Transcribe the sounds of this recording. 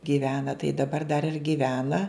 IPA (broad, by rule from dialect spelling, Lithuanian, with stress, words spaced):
ɡʲiːˈʋʲæːnɐ tɐɪ dɐˈbɐr dɐr ɪr ɡʲiːˈʋʲæːnɐ